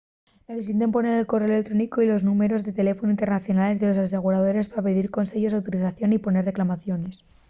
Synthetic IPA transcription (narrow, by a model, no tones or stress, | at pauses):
neθes̬ienempo̞ne̞ɾelkore̞olek̚t̪ɾo̞niko̞ilo̞znume̞ɾo̞zðe̞t̪e̞le̞fonoint̪enaθjo̞nale̞zðe̞lo̞sas̬e̞ɣ̞uɾað̞o̞ɾe̞spaɾape̞ðiɾko̞nse̞ʝo̞zawt̪oɾiθaθjo̞nipo̞ne̞re̞klamaθjo̞ne̞s